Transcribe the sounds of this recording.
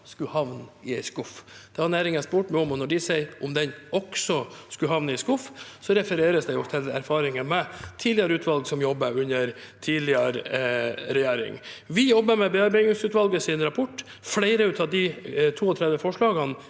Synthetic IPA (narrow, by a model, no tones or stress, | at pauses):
skʉhɑʋnɪɛɪskʊfd̪̥ɛhɑnæːɾɪŋspuːʈmɛɔmɔnɔɖɪsɛɪʔʊmd̪ɛnɔksɔskʉɦɑʋnəɪskʊfsɔɾɛfəɾeːɾəsd̪ɛjʊt̪ʰɛlæɾfɑːɾɪŋənmɛt̪ʰiːd̪lɪəɾəʉːt̪ʋɑlɡsɔmjɔbːəɾʉnəɾt̪ʰiːd̪lɪəɾ | ɾɛjeːɾɪ̰ŋʋɪjɔbːəɾmɛbeːɑɾbæɪɪsʉːt̪ʋɑlɡəsɪnɾɑpʰɔʈː | flæɪɾəʉːt̪ɑʋd̪ɪt̪ʰuːɔt̪ʰɾɛd̪ʋəfɔʂɭɑːɡɑn